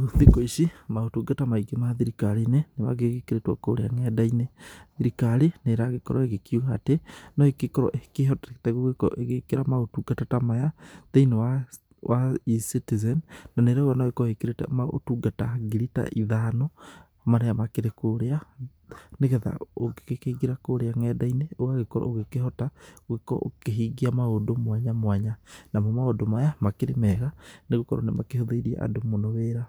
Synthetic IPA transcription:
ðikoiʃimaotuɡatamaiɡemaðiɾikaɾinenema̰ɣeɣekeɾetwa̰koɾeaŋɛdaineðiɾikaɾineɾaɣekɔɾɔeɣekjuɣaːtenɔekekɔɾɔ̰ʔekeɦɔtetɛɣoɣekɔ̰ʔeɣekeɾamaotuɡatatamajaðeinewa | wʔaisitizɛnːaneɾɛoɣanaoɣekɔhekeɾetɛ̰mao̰tuɡataɡiɾita̰ʔiðano | maɾɛjamakeɾekoɾea | neɣɛða̰oɡekekeɡiɾakoɾeaŋɛːdaineoaɣekoɾa̰oɣekehɔtaoɣekɔ̰o̰keɦiːɡiamaɣodomwaɲamwaɲanamomaodomajamakeɾemɛɣaneɣokɔɾaonemakehoðeiɾia̰ʔa̰domonoweːɾa

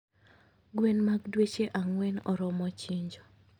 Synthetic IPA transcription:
ɡwenmaɡdwet͡ʃeʔaŋwɛnɔɾɔmɔt͡ʃiɲd͡ʒɔ

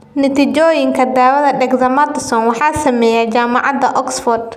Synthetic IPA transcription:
nɪt̪ʰɪt͡ʃɔːjɪŋkʰɐd̪aːwɐðɐɖɛɡzɐmɐt̪ɪsɔnwɑħɑːsɐmɛːjat͡ʃaːmɑʕɑd̪ɐʔɔksfɔrd̪

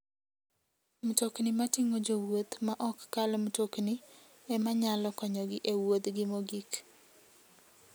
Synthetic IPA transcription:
mtoknimatɪŋod͡ʒowot̪maʔɔkːalɔmtokni | ɛmaɲalɔkɔɲɔɡɪʔewot̪ɡɪmoɡik

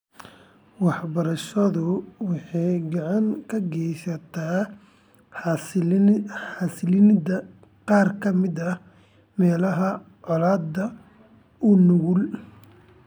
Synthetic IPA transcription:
wɑħbɐɾɐʃɐðʊwɑħɑjɡɑʕɑŋkʰɐɡɛjsɐt̪ʰaː | ɑːsɪlɪnd̪ɐ | qɑːrkʰɐmɪd̪ɐ | mɛːlɐɦɐ | ʕɔlaːd̪ɐ | ʊnʊɣʊl

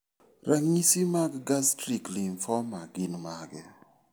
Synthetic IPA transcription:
raŋɲisimaɡɡastɾikliɱfɔmaɡinmaɡɛ

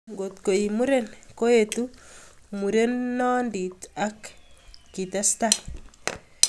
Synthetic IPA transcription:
ŋɡot̪koimuɾenkojetumuɾenːɔnditakː | itastal

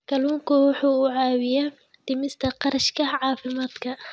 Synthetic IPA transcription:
kʰɐluːŋkʰʊwʊħuːʊʕɑːwɪjɐ | d̪̥ɪmɪst̪ʰɐqɑɾɐʃkʰɐʕɑːfɪmaːd̪kʰɐ

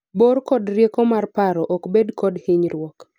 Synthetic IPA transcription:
borkɔdrjekɔmarpaɾɔʔɔkbedkɔdhɪɲɾwɔk

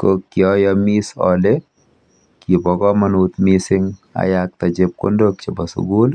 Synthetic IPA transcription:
kokːɪɔjɔmisɔ̰le | kibɔkɔmɐnut̪misɪŋa̰jak̚t̪ad͡ʒɪp̚ko̰ndokt͡ʃɪbasʊ̰ɡul

